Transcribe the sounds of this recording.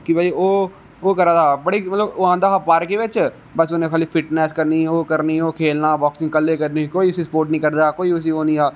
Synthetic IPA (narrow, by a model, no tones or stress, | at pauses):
kibʱaːioː | oːkəɾaːd̪aːbəɽiːmət̪ləboãːnd̪aːɦapaːɾkeʋɪt͡ʃ | bəsʊnẽkaːliːpʰɪʈnɛːskəɾniːoːkəɾniːoːkʰeːlnaːbɔːksɪ̃ŋɡkəlːeːkəɾnikoːiʊsispoːɾʈnĩːkəɾd̪aːkoːiʊs̬iɦoːnĩːaː